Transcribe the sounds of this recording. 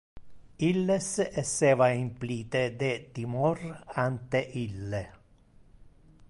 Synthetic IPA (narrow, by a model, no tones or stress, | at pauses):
ilːesɛseːvaimpliːt̪ed̪et̪imɔrant̪eʔilːe